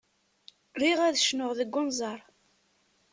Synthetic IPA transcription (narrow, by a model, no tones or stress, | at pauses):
ɾiʁæðʃnʊʁðəɡːʊnzˤɑɾˤ